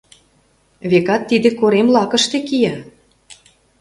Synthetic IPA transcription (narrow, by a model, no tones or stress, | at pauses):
βekɑt̪ːid̪ĕkoɾemlɑkə̆ʃt̪ekijɑ